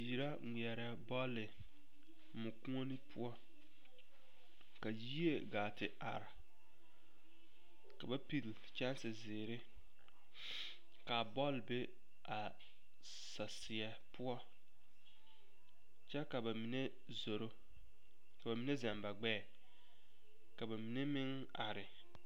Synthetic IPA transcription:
ji˨ɾa˦ŋʷi˨ɛ˨ɾɛ˦bɔ˦lːɪ˨ | mʊ˨kũ˦o˦ni˦pʰʊ˦ɔ˦ | ka˨ji˦e˦˨ɡaː˨tɪ˨ʔa̰˨ɾa˨ | ka˨ba˦pi˦˨lɪ˨ | t͡ʃa˦n˦sɪ˨zɪː˨ɾɪ˦ | ka˨bɔ˦lbe˦ | ʔa˨ | sa˨sɪ˨ɛ˨ | pʊ˦ɔ˦ | t͡ʃɛ˦ka˨ba˨mi˨ne˦ | zo˨ɾo˦ | ka˨ba˨mi˨ne˦za˨mba˨ɡ͡bɛː˦˨ | ka˨ba˨mi˨ne˦mɪ˦ŋ | a˨ɾɪ˨

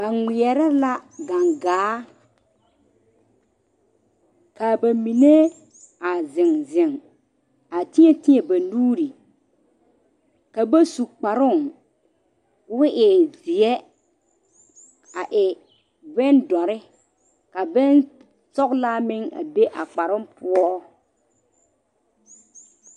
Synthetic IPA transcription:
ba˨ŋɪ˨jɛ˨ɾɛ˦la˦ɡa˨ŋɡaː˨˦ | ka˨ba˨mi˨ne˦ | a˨zɪ˨ŋzɪ˨ŋ | a˨tɪ˦ɛ˨tɪ˦ɲɛ˨ba˨nuː˦ɾi˨ | ka˨ba˦su˨k͡pa˨ɾʊ˦˨ŋ | wʊ˦ʔɪ˨zɪ˨ɛ˦ | a˨ʔɪ˨ | bɛ˦ndɔ˨ɾɪ˦ | ka˨bɛ˦n | sɔ˦kla˦mɪ˦ŋa̰˨be˦ʔa˨k͡pa˨ɾʊ˦mpʊ˦ɔ˦

